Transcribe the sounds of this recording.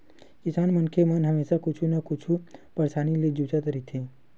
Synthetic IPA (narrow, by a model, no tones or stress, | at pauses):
kɪsaːnmənkʰemənɦəmeːʃakʊt͡ʃʰunakʊt͡ʃʰupɐɾsaːniled͡ʒut͡ʃat̪əɾit̪ʰeː